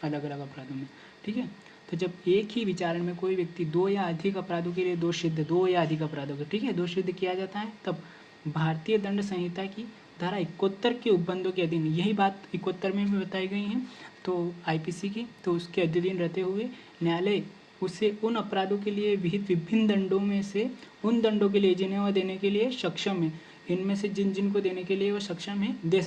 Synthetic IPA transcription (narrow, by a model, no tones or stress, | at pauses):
ɐləɡɐləɡɐpɾaːd̪õmẽ | ʈʰiːkɦɛː | t̪od͡ʒɐbeːkɦiʋɪt͡ʃaːɾəɽ̃mẽkoːiʋjɐk̚t̪id̪oːjaɐd̪ʱɪkɐpɾaːd̪õk̬elied̪oːʃɪd̪ʱːəd̪oːjaɐd̪ʱɪkɐpɾaːd̪õkaʈʰiːkɦɛd̪oːʃɪd̪ʱːəkijad͡ʒaːt̪aɦɛt̪ɐb | bʱaːɾt̪iːjəd̪ɐ̃ɳɖsɐ̃ɦɦɪt̪aki | d̪ʱaɾaɪkːoːt̪ːəɾkeʊbːə̃nd̪ʱõk̬eɐd̪ʱɪnjɐɦibaːt̪ɪkːoːt̪ːəɾmẽbʱĩbɐt̪aːiɡɐiɦɛ̃t̪oaːipiːsikit̪oʊskeɐd̪ʱjəd̪inɾɐɦt̪eɦʊe | njaːle | ʊseʊnɐpɾaːd̪õkelieʋɪɦɪt̪ʋɪbʱɪnːd̪ɐ̃ɳɖõmẽse | ʊnd̪ɐ̃ɳɖõk̬elied͡ʒɪnjeʋad̪eːnekelieʃɐkʃəẽ | ɪnmẽsed͡ʒɪnd͡ʒɪnkod̪eːnekelieʋɐʃɐkʃəɦẽd̪eː